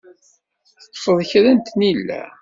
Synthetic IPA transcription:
θfəðˤçɾənt̪nilːæ̰

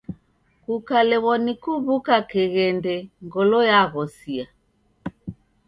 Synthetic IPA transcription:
kukalɛwɔnikuβukakɛɣɛndɛŋɡɔlɔjaɣɔsia

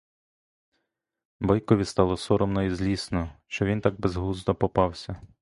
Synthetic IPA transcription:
bɔjkɔʋʲist̪ɑlˠɔsɔɾɔmnɔizlʲisnɔʃt͡ʃɔʋint̪ɑɡ̚bezɦlˠuzd̪ɔpɔpɑwsʲɐ

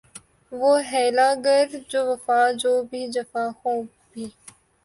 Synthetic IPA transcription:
ʋoːɦɛːlaːɡəɾd͡ʒoːʋəfãːd͡ʒoːbʱiːd͡ʒəfãːhõː | bʱiː

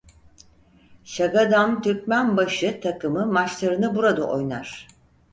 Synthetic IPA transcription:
ʃaɡad̪amt̪ʰyɾcmænbaʃɯt̪ʰakɯmɯmat͡ʃlˠaɾɯnɯbuɾad̪a̰ʔo̞̰jnaɾ̥

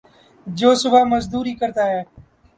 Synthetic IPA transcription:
d͡ʒoːsʊbaːməzd̪uːɾiːkəɾt̪aːɦɛː

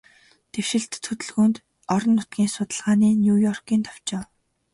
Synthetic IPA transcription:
t̪ewʃɪ̆ɬt̪ʰːɵt̪ɵ̆ɮɣuːnt̪ | ɔɾɞ̆nːʊt̪̚ɡʲiːŋsʊt̪ə̆ɮʁaːniːnʲjuːjɔrkiːnt̪ʰɔw̥t͡ɕɪ̆ːw

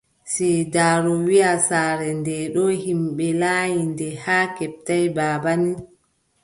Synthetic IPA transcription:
sɛdaːɾɔwiasaːɾɛndɛɗɔhimɓɛlaːjindɛhaːkɛp̚tajbaːbani

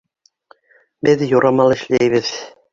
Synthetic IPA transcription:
bɘðjoɾɑmɑlˠɘ̆ʃlæjβɘð

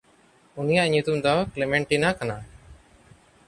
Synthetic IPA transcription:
unijaʔɲut̪umd̪ɔklemɛɳʈinakana

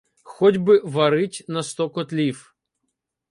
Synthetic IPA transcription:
xɔdʲbɪʋɐɾɪtʲnɐst̪ɔkɔt̪lʲiw

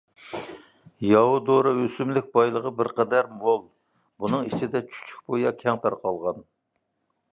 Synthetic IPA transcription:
jɑwud̪oɾɨøsymlɪk̚ʲbɑjlˠəʁəbɪɾqɛd̪æɾmolˠ | bunɨŋit͡ʃʰid̪ɛt͡ʃʰy̥t͡ʃʰy̥k̚ʲbojɑkʲʰɛŋt̪æɾqɑlˠʁɑn

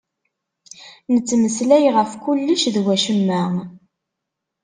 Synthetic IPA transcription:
nət͡sːməslæjʁəfkulːəʃðwæʃəmːæ

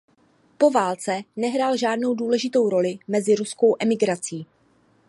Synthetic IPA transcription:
po̞vaːlt͡sɛnɛɦɾaːlʒaːdno̞wduːlɛʒɪt̪o̞wɾo̞lɪmɛzɪɾusko̞wʔɛmɪɡɾat͡siː

